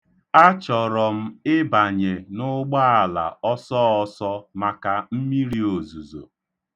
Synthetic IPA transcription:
a˦t͡ʃɔ˨ɾɔ˨m̩˦ɪ˦ba˨ɲe˨nʊ˦ɡ͡ba˦a˨la̰˨ɔ˦sɔ˦ɔ˦sɔ˦ma˨ka˨m̩˦mi˦ɾi˦o˨zu˨zo̰˨

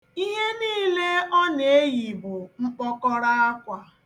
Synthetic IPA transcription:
i˦ɦe˦niː˦˨˦le˦ɔ˦ne˨˦ji˨bʊ˨ŋ͡m̩˦k͡pɔ˦kɔ˦ɾa˦a˦kʷa˨

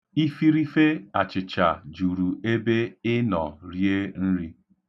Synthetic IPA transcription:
i˦fi˦ɾi˦fe˦a˨t͡ʃɪ˨t͡ʃa˨d͡ʒu˨ɾu˨e˦be˦ɪ˦nɔ˨ɾje˦n̩˦ɾi˦

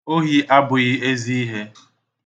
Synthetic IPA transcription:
o˦ɦi˦ʔa˦bʊ˨ɣɪ˦e˦zi˦i˦ɦe˦

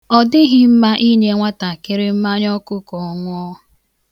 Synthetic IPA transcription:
ɔ˨dɪ˦ɦɪ˦m̩˦ma˦ʔi˦ɲe˦ŋʷa˦ta˨kɪ˦ɾɪ˦m̩˦ma˦ɲ˦ɔ˦kʊ˦kɔ˨ŋʷʊ˦ɔ˦

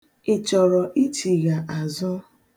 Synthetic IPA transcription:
ɪ˨t͡ʃɔ˨ɾɔ˨ʔi˦t͡ʃi˨ɣa˨ʔa˨zɔ˦

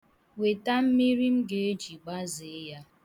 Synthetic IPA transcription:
we˨ta˦m̩˦mi˦ɾi˦m̩˦ɡe˨e˦d͡ʒi˨ɡ͡ba˦ze˨˦ja˦

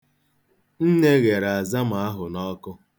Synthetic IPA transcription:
n̩˦ne˦ɣe˨ɾa˨za˦m˨a˦ɦʊ˨nɔ˦kʊ˦

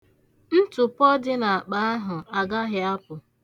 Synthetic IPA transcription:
n̩˦tʊ˨pɔ˦dɪ˦na˨a˨k͡pa˨a˦ɦʊ˨a˨ɡa˦ɦɪ˦a˦pʊ˨

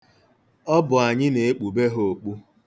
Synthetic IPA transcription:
ɔ˦bʊ˨a˨ɲɪ˦ne˨e˦k͡pu˨be˦ɦo˨o˨k͡pu˦

